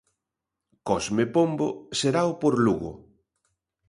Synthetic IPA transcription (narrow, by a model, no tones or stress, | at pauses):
kɔsmepombo̰seɾaopoɾluɣʊ̰